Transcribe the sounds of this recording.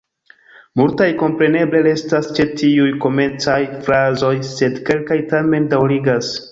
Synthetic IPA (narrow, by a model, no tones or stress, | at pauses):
multajko̞mpɾe̞ne̞ble̞ɾe̞stast͡ʃe̞tiujko̞me̞t͡sajfɾazo̞jse̞dke̞lkajtame̞ndawɾiɡas